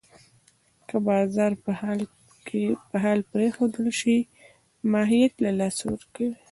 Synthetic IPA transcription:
kəbɑzɑɾpəhl | epəɦɑlpɾexod̪əlʃi | mɑɦijat̪lalɑsawəɾkawi

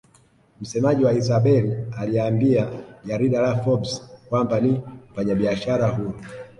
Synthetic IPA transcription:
m̩sɛmaʄiwaizaɓɛlialiaːmbiaʄaɾiɗalafɔbskwambanim̩faɲaɓiaʃaɾaɦu

